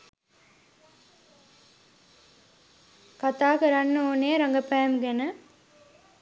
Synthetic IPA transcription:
kɐt̪aːkɯɾɐnːoːneːɾɐŋɡɐpeːɐmɡenɐ

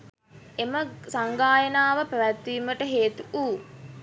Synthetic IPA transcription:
eməsaŋɡaːjənaːʋəpæʋæt̪ʋiːməʈəɦeːt̪uʔuː

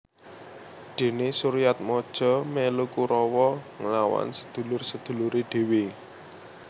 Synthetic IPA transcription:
ɖ̪̥e̤nesuɾijat̪̚mɔd̥ʒ̥ɔ̤melukuɾɔwɔŋəlawa̰nsə̥d̪̥ṳlʊrsəd̪̥ṳluɾeɖ̥e̤we

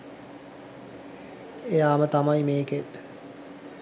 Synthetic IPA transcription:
ejaːmət̪ɐmaimeːket̪

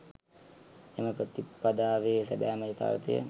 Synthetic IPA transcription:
jeməpɾət̪ipːad̪aːʋeːsæd̪æːməjet̪a̰ːɾt̪ə̰jə̰

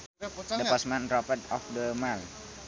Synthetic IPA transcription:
dəpasmãnɾɔpɛtɔfdəmal

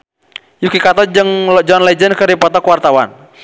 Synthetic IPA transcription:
jukikat̪ɔd͡ʒɨŋd͡ʒɔnlɛd͡ʒənkəɾipɔt̪ɔkuwart̪awa̰n

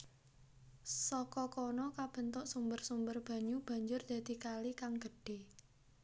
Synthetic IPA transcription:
sɔkɔkɔnɔkab̥ə̤nt̪ʊʔsumbərsumbərb̥a̤ɲub̥ä̤ɲd͡ʒʊrd̪̥ä̤d̪̥i̤kalikaŋɡəɖ̥e̤

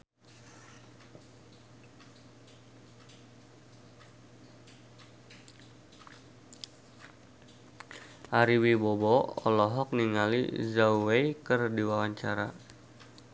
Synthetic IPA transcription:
ʔaɾiwibɔbɔɔ̰lɔɦɔk̚niŋalḭzauwejkərdiwawaɲt͡ʃaɾa

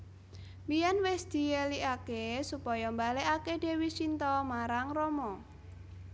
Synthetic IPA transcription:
mijanwɪsd̪̥i̤jeliʔakesupɔjɔmbalɛʔaked̥e̤wisint̪ɔmaɾaŋrɔmɔ

